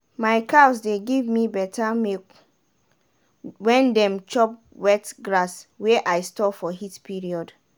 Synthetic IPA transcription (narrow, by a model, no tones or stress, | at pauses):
majkasdeɡivmibɛtʰamek | wɛ̃ndɛ̃mt͡ʃɔp̚ | wɛtɡɹaswɛʔajstɔfɔɦitpiɹiɔd